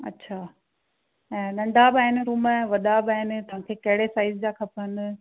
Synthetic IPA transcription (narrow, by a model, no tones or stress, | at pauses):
ɐ̰tːɕʰaː | ɛ̃ːɗɐ̃ɳɖʱabaːɦɪnɪ̆ɾuːməʋɐɗabɪaːɦɪnɪ̆t̪ɐʋ̤ãkʰeːkɐɦɪɽesaːɪzd͡ʑakʰɐpən